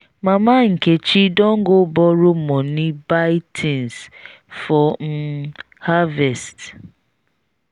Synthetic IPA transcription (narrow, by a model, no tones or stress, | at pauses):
mamaŋ̩ket͡ʃidɔŋ̩ɡobɔɾʊmɔnɪbatʰins | fɔm̩ | havɛst